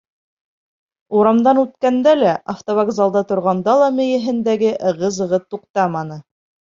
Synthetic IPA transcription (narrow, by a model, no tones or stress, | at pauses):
uɾɑmd̪ɑnʉt̪̚kænd̪ælæʔaft̪oβaɡzɑlˠd̪ɑt̪ŏɾʁɑnd̪ɑlˠɑmɘ̆jɘ̆ɦɘ̆nd̪æɡɘʔɤʁɤ̆zɤ̆ʁɤt̪uqt̪ɑmɑnɤ